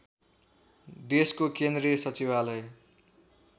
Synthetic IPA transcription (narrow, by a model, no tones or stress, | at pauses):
d̪eskokend̪rɾiʌsʌt͡sibalʌj